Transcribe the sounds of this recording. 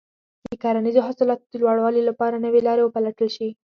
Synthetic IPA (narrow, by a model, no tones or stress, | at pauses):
d̪̥əkɑɾanizoɦʊsɪlɑt̪od̪əlwɑɽwɑlilapɑɾanəwelɑɾewəpalaʈəlʃi